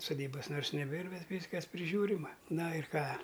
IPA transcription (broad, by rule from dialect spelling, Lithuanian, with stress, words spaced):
sʊˈdʲiːbɐs noːrs nʲɛˈbʲeːr ˈbʲɛt ˈʋʲiːskɐs pʲrʲɪˈʒʲuːrʲɪmɐ ˈnɐ ɪr ˈkɑː